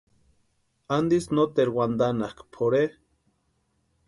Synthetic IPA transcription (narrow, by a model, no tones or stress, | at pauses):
and̪isnot̪eɾwand̪anahkpʰoɾe